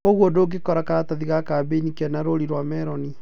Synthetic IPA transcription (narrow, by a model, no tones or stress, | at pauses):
oɣwodoɡekɔɾakaɾataðiɣakabenikɛnaɾoɾiɾwamɛɾɔni